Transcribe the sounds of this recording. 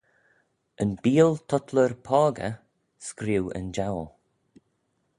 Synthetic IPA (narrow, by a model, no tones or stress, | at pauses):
ənbiːlˠt̪ʰɔt̪ʰləɾpʰɔːɡə̰ | skɾiwə̰nd͡ʒawlˠ